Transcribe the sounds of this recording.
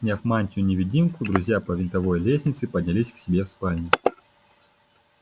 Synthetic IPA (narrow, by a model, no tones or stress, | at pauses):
sʲnʲafmanʲtʲɪʊnʲɪvʲɪdʲinkʊd̪ɾʊzʲjapəvʲɪnt̪ɐvo̞jlʲesʲnʲɪt̪sɨpədʲnʲɪlʲisʲksʲɪbʲe̞fspalʲnʲɪ